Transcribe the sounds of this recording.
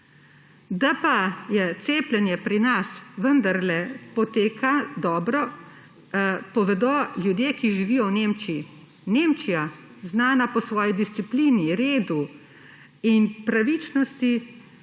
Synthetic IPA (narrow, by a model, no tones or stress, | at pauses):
d̪apajɛt̪seːplʲɛnjɛpɾinasʋənd̪aɾlɛpɔt̪eːkʰad̪ɔːbɾɔ | pɔʋɛd̪ɔljud̪jeːkiʒiʋiːjɔwneːmt͡ʃii | neːmt͡ʃija | znaːnapɔsʋɔːjid̪ist̪sipliːniɾeːd̪u | inpɾaʋit͡ʃnɔst̪i